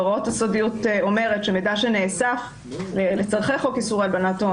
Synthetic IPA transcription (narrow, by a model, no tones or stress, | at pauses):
ʁotasodiuto̞me̞ʁetʃemedaʃeneːsaf | lelet͡saʁχeχo̞kisuʁalbanato